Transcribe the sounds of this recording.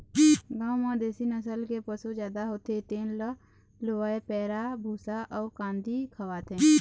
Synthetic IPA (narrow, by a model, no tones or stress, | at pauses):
ɡãːwmãd̪eːsinəsəlkepəsod͡ʒjaːd̪aɦoːt̪et̪eːnlə | loaepɛːɾabʱuːsaʔɔːɾkãːnd̪ikʰəwaːt̪ẽ